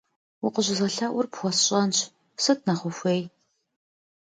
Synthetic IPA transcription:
ʊqəʑɪzɐɬɐʔʷʊrpxʷɔsɕʼɐnɕʰ | sɨt̚ʰnɐχʷʊxʷeːj

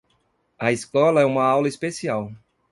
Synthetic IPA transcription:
ɐiskɔlɐɛũmɐawlɐispesiaw

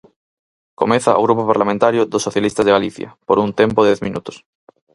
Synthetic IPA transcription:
ko̰meθa̰oɣ̞ɾupopaɾlamẽnt̪aɾjoðosːoθjalist̪azðeɣaliθja̰poɾunt̪empoðeθmĩnut̪o̥s

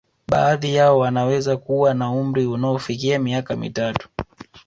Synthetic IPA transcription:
ɓaːðijaɔwanawɛzakuwanaum̩ɾiunaɔfikiamiakamḭtatu̥

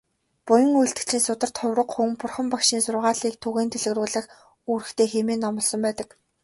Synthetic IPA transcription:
pʊjə̆ŋujɬt̪ɘ̥̆t͡ɕʰiːnsʊt̪ə̆r̥t̪χʊwɾə̆qχumpʊrχə̆mpakʃiːnsʊrʁaːɮiːk̚t̪ʰɵɣeːnt̪ʰeɮɘ̆ɣruːɮə̆x | uːɾɘ̆xt̪ʰeːxemeːnːɔmɞ̆ɮsɞ̆mpæːt̪ə̆k

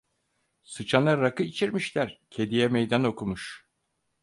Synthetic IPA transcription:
sɯt͡ʃʰanaːakɯit͡ʃʰiɾmiʃlʲæɾcʰe̞d̪ijɛmejd̪ano̞kʰumuʃ

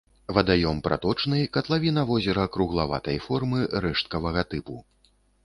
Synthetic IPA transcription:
vɐd̪ajɔmpɾa̰t̪ɔt͡ʂnɨjkɐt̪lˠavʲinɐvɔzʲɛɾɐkɾuɣlˠava̰t̪ɐjfɔrmɨɾɛʂt̪̚kɐvɐɣɐt̪ɨpu

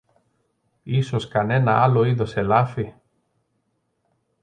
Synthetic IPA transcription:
isoskanenɐaloiðoselafi

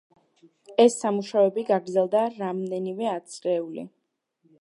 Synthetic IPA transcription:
ɛsːamuʃavɛbiɡaɡɾd̪zɛlˠd̪aɾamd̪ɛnimɛat̪sʰʼqɛulḭ

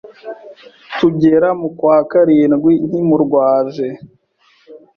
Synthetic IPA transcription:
tuɟeɾamukwaːkaɾiːnɡwin̥himuɾɡwaːʒe

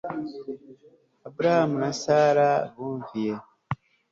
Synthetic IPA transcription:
abuɾahamunasaːɾaβuːɱvije̞

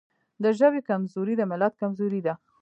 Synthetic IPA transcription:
d̪əʒəwekamzuɾid̪əmɪlat̪̚kamzoɾid̪a

